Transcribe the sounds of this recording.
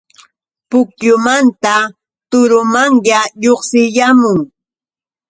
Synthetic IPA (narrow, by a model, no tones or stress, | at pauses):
pʊkʎʊmant̪a | t̪ʊɾʊmaŋjaʎoχsɪʎamʊŋ